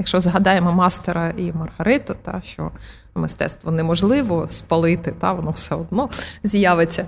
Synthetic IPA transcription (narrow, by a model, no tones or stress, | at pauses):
jɐkʃt͡ʃɔzɦɐd̪ɑjemɔmɑst̪eɾɐimɐrɦɐɾɪt̪ʊt̪ɑ̰ʃt͡ʃɔ̰ | mɪst̪ɛ̰t̪st̪ʋɔnɛmɔʒlˠɪʋɔspɐlˠɪt̪ɪt̪ɑʋɔnɔwsɛɔd̪̚nɔzʲjaʋet͡sʲːɐ